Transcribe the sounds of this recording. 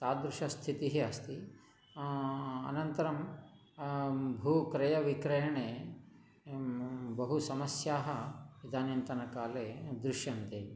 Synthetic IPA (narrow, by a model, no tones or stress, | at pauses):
t̪aːd̪ɾuʃɐst̪ʰit̪iɦeɐst̪i | ɐ̰nɐnt̪ɐɾɐm | bʱuːkɾɐjɐʋikɾɐjɐɳeː | bɐɦusɐmɐsjaːɦɐʋid̪ʱaːnjɐnt̪ɐnɐkaːleːd̪ɾuʃjɐnt̪e